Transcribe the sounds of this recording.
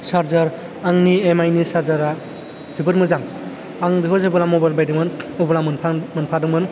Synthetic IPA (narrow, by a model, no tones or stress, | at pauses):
saɾzaɾ | aŋniemajnisaɾzaɾa | z̥ibɯɾmɯzaŋ | aŋbiɦɔzɯbɯlamobajlbajdɯŋmɯnɔblamɯnpʰmɯnpʰadɯŋmɯn